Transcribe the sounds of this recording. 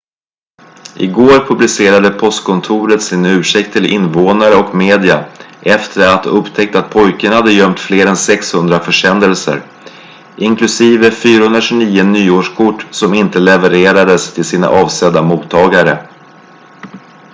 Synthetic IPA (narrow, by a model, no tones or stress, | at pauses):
ʔɪɡoːɾpʰɵblɪseːɾad̪əpʰɔst̪kʰɔnt̪ʰuːɾət̪sɪnʉ̟ːʂɛk̚t̪ʰːɪlɪ̰nːvoːnaɾəɔkmeːd̪ɪaʔɛft̪ʰəɾat̪ɵpt̪ʰɛk̚t̪at̪̚pʰɔjkəɳhad̪ːəjœmt̪fleːɾɛnsɛkshɵnd̪ɾafœʂɛnd̪əlsə̰ɾ | ʔɪŋklɵsiːvəfyːɾahɵnɾaʂɵniːʊnyːoːʂkʰʊʈːsɔmɪnt̪əlɛvəɾeːɾad̪əst̪ʰɪlsiːna̰ʔɑːvsɛd̪ːamuːt̪ʰːɑːɡaɾə